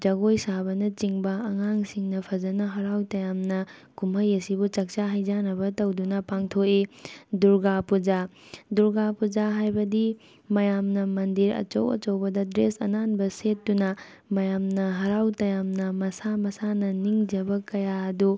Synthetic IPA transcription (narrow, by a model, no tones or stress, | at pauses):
d͡ʒɐɡojsabɐnɐt͡ʃiŋbɐɐŋaŋsiŋnɐpʰɐd͡ʒɐnɐɦɐɾawtɐjamnɐ | kumɐjɐsibut͡ʃɐk̚t͡ʃaɦɐjd͡ʒanɐbɐtɐwdunɐpaŋtʰoiduɾɡapud͡ʒaduɾɡapud͡ʒaɦajbɐdi | mɐjamnɐmɐndiɾɐ̰t͡ʃɐ̰wɐ̰t͡ʃɐwbɐdɐdɾesɐ̰nanbɐsetːunɐ | mɐjamnɐɦɐɾawtɐjamnɐmɐsamɐsanɐniŋd͡ʒɐbɐkɐjaɐdu